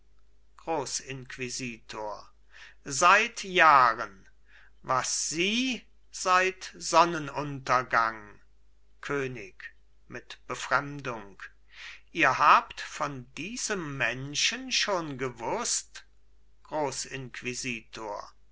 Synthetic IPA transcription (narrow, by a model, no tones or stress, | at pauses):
ɡ̥ʁoːsɪnkv̥iziːtʰoːɐ | zaɪtjaːʁən | vasz̥iː | z̥aɪtz̥ɔnənʊntɐɡaŋ | kʰøːnɪk | mɪtb̥əfʁ̥ɛmdʊŋk | ʔiːɐhaːptfɔndiːzəmːɛnʃənʃoːnɡəvʊst | ɡ̥ʁoːsɪnkv̥iziːtʰoːɐ